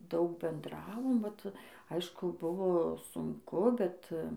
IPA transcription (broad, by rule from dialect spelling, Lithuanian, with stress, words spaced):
ˈdɐʊk bʲɛnˈdrɑːʋoːm ˈʋɐt ˈɐɪʃkʊ ˈbʊʋoː sʊŋˈkʊ ˈbʲɛt